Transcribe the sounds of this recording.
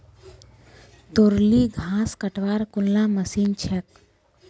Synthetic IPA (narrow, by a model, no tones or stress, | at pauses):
t̪oɾliɡʱaːskəʈʋaːɾkulːaməsint͡ʃʰɛk